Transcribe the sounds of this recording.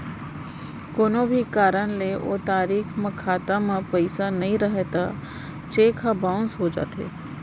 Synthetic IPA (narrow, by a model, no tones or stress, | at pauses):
koːnobʱikaːɾəñleʔo̰ːt̪aːɾiːkmẽkʰaːt̪amãpəɪsanɐɦĩɾəɦet̪a | t͡ʃeːkʰabãʊ̃nsɦod͡ʒa̰ːt̪ḛː